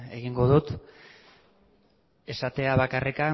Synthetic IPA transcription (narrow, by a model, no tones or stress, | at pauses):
eɣ̞iŋɡo̞ðut̪ | e̞sat̪e̞aβakarʔeka